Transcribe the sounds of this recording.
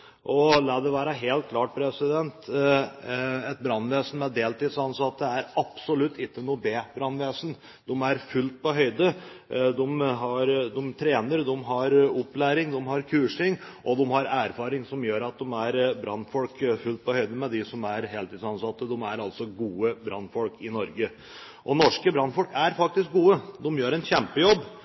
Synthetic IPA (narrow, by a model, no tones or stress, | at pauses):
ʔɔlɑːd̪ɛʋæːɾɑɦeːlt̪̚kʰlɑːʈ̚pʰɾɛsɪd̪ɛnt̪ | ɛt̪̚bɾɑnːʋeːsn̩mɛd̪eːlt̪iːd̪sɑnsɑt̪ːəæɾɑpsɔlʉt̪ːɪkːənuːbeːbɾɑnːʋeːsn̩ | d̪ɔmæɾfʉlt̪̚pɔɦœʏd̪ə | d̪ɔmɦɑɾd̪ɔmt̪ʰɾeːnəɾd̪ɔmɦɑɾʊpːlæːɾɪŋd̪ɔmɦɑɾkʰʉːʂɪŋʔɔd̪ɛmhɑɾæːɾfɑːɾɪŋsɔmjøːɾɑt̪̚d̪ɔmæɾbɾɑnːfɔlkfʉlt̪̚pʰɔhœʏd̪əmɛd̪ɪsɔmæɾɦeːlt̪ɪːd̪sɑnsɑt̪ːəd̪ɔmæɾɑlsɔɡuːəbɾɑnːfɔlkɪnɔɾɡə | ʔɔnɔʂkəbɾɑnfɔlkæɾfɑkt̪ɪsk̚ɡuːəd̪ɔmjøːɾɛnçɛmpəjɔbː